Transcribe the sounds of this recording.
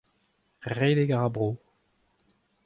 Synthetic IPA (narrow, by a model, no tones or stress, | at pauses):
ʁeːleɡaʁabʁoː